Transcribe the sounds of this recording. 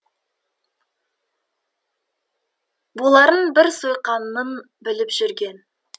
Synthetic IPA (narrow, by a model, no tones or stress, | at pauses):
bolˠɑɾənbɪɾsojqɑnːən | bɪlɪpʒ̥ʏɾɡʲe̞n